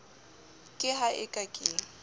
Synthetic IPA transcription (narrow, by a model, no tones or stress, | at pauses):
kʼɪɦaʔɪkʼakʼɪ